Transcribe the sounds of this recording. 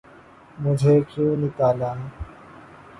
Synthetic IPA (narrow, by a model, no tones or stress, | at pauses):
mʊd͡ʒʱeːkʰuːnɪk̪aːlaːn